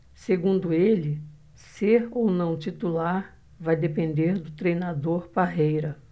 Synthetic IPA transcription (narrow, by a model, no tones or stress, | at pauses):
seɡũnd̪ʊelɪ | seɾownɐ̃w̃t͡ʃit̪ulaɾ | vajd̪epẽnd̪eɾd̪ʊt̪ɾejnad̪oɾpaɦejɾɐ